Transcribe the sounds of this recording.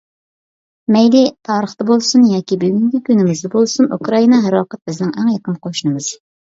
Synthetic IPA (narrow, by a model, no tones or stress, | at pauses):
mɛjlit̪ʰɑːɾəχt̪ɑbolˠsunjɑːkʲibyɡʲyŋkʲikʲynɪmɪzd̪ɛbolˠsunṵkɾɑinɑɦæɾɑːqət̪̚bɪznɪŋæŋjɑqənqʰoʃnɨmɨz̥